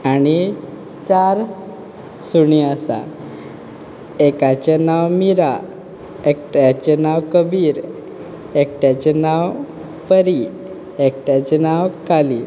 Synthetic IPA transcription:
añi | t͡ɕaɾ | suɳiasa̰ | ekat͡ɕenawmiɾa | ekʈjat͡ɕenawkəbiːɾ | ek̚ʈjat͡ɕenaw | pəɾi | ekʈjat͡ɕenawkali

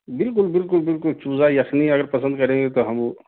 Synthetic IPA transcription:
bɪlkʊlbɪlk̬ʊlbɪlkʊlt͡ʃuːzajɐxniɐɡəɾpɐsə̃nd̪̚kɐɾẽːŋɡet̪oɦɐmo

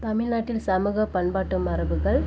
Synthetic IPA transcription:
t̪ɐmɪɭnaːʈːɪlsɐmɯɣɐpɐɳbaːʈːɯmɐɾɐʋɯɣɐɭ

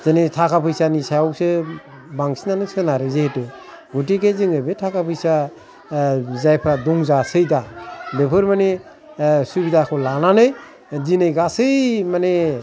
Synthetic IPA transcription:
zenetʰakʰapʰɯjsanisajawsɯ | baŋsinanɯk̚sɯnaɾɯzehetɯ | ɡutiɡezɯŋɯbetʰakʰapʰɯjsa | zajpʰɾaduŋzasɯjdabepʰɯɾmane | subidakʰɔlananɯj | zinɯjɡasɯjmane

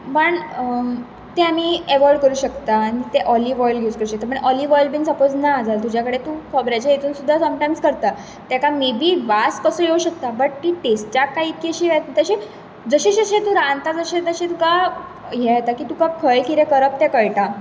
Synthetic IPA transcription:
pəɳ | t̪eamiːeʋɔɾɖkəɾuːɕəkt̪aːñit̪eʔɔliʋɔjlɡʱeuskəɾuɕəkt̪amə̃ɳʔɔliʋɔjlbinsəpod͡znad͡zalt̪ud͡ʑjakəɽet̪ũkʰəbɾat͡ɕjajet̪ʰuːnsud̪ʱːasəmʈajmskəɾt̪a | t̪jakamebʱiːʋaskəsəːjeuɕək̚t̪abəʈt̪iʈesʈt͡ɕakaikːeɕiːʋɛt̪at̪əɕe | d͡zəɕeɕiəɕẽt̪ũɾãnt̪ad͡zəɕet̪əɕet̪uka | jɛɛt̪akiːt̪ukakʰəɭkʰiɾekəɾəp̚t̪ekəjʈa

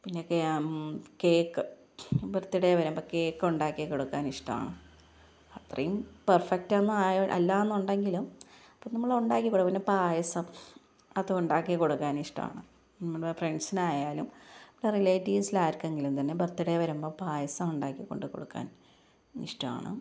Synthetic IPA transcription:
pinːeokːe | keːkːɨ | bert̪ːiɽeʋɐɾumboːke̞ːkːuɳɖaːkːikːoɽukːaːniʂʈɐma̰ːɳɨ | ɐt̪rɐ̰jumpɐrfɐk̚tɐnːɨaːjɐʔɐ̰lːaːenːuɳɖeŋɡilumɐpːoːnɐmːɐɭuɳɖaːkːikːoɽukːpɐnːepaːjɐsɐm | ɐðɨuɳɖaːkːikːo̞ɽukːaːniʂʈɐ̰ma̰ːɳɨ | nimːɐɭfreɳsinaːjaːlumʋlːɐrileːʈiːsilaːjiɾkːueŋɡilumt̪ɐnːe̞bert̪ːiɽeʋɐɾumbo̞ːpaːjɐsɐmuɳɖaːkːikːo̞̰ɳɖuko̞̰ɽukːa̰ːn | ḭʂʈɐma̰ːɳɨ̰

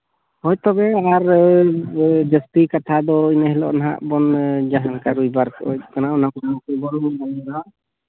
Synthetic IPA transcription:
hɔjt̪ɔbɛaɾ | d͡ʒəst̪ikat̪ʰad̪ɔinəɦɛlɔ̰ʔnaɦa̰ʔbɔnd͡ʒaɦaŋkaɾujbaɾkɔʔɔ̰kanaʔunakɔanakɛbɔɾubalɾaʔ

